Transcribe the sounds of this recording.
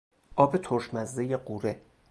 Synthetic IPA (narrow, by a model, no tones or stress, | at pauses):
ʔɒːbet̪ʰoɾʃmæzd̪ejeɢuːɾe